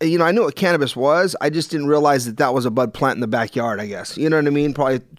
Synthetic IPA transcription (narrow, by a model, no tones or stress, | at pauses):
jɨnoʊaɪnjuwʌt̚kʰænɨbɨswʌza̰ɪd͡ʒʌsd̥ɪdⁿn̩tɹiəlaɪzðɨt̪̚ðət̚wʌzəbʌd̚pʰl̥æ̃ntn̩ðəbækjɑɹɾaɪɡɛsjɨnoʊwʌɾaɪmĩnpʰɹ̥ɑbli